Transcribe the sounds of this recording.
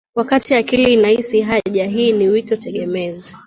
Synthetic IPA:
wakatiakiliːnahisiɦaʄaɦiːniwitɔtɛɠɛmɛzi

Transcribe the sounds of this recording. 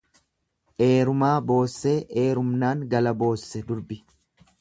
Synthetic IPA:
ʔe̞ːɾʊmaːbo̞ːsːe̞ːʔeːɾʊmnaːŋɡɐlɐbo̞ːsːɛd̪ʊɾbɪ

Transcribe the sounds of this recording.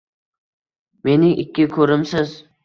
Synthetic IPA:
me̞nɪʔɪkʲːɪkʲʰɵɾɪmsɪz

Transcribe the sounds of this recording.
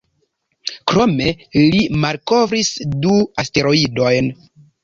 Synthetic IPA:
kɾo̞me̞limalko̞vɾisduaste̞ɾo̞ido̞jn

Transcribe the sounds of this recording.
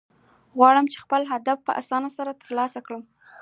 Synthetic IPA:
ɣwɑɽəmt͡ʃe̥xpəlɦad̪afpə̰ʔa̰sɑnasaɾat̪əɾlɑsakɽəm

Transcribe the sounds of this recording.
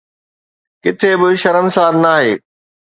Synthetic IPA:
kɪt̪ʰebɪʃɐɾəmsaːɾnaːɦeː

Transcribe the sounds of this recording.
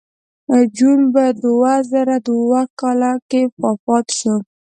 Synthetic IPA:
d͡ʒunbad̪əwazaɾad̪əwakɑlakefɑfɑt̪ʃə

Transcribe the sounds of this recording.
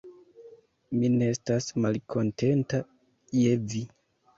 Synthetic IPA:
mineestasmalkʰo̞nte̞nta | je̞vi

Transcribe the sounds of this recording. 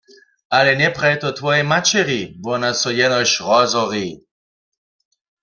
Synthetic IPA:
ʔalɛnɛpʁajt̪ɔt̪ʋɔjɛmat͡ʃɛʁibɔnasɔjɛnɔɕʁɔzɔʁi

